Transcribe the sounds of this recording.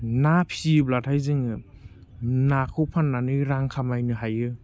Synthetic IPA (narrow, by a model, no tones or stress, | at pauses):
napʰiɯblatʰajzɯŋɯ | nakʰɯpʰanːanɯɾaŋkʰamajnɯɦajɯ